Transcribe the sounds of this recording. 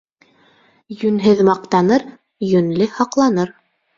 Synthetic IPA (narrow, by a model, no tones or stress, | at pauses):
jɵ̆nɦɘðmɑq̚t̪ɑnɤɾ | jɵ̆nlɘhɑqlˠɑnɤɾ